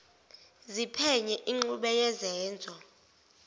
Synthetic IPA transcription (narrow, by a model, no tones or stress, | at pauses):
zipʰɛɲɛʔiŋ͡ǃuɓɛjɛzɛːnd͡zʱɔ